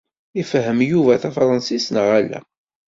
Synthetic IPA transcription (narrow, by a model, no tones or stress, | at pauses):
ifɦəmjuvæθæfɾˤɑnsisnəʁælːæ̰